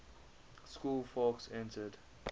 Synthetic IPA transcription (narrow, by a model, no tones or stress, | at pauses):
skuːlfɔksɛ̃ntəd